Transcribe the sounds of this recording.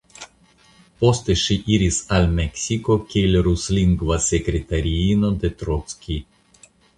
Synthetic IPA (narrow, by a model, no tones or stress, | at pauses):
post̪ɛʃiʔiɾʲisalʲmɛksʲikokʲelʲɾuslʲiŋɡvasʲekɾʲet̪aɾʲinod̪et̪ɾot̪skʲi